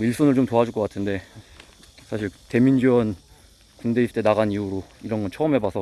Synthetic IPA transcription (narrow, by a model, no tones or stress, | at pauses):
iɭs͈unɯɭt͡ɕomtoɦad͡ʑuɭk͈ʌk͈atʰɯnde̞ | sʰaɕʰiɭte̞mind͡ʑiwʌn | kunde̞ist͈enaɣaniuɾoiɾʌnɡʌnt͡ɕʰʌɯmɦe̞basʰʌ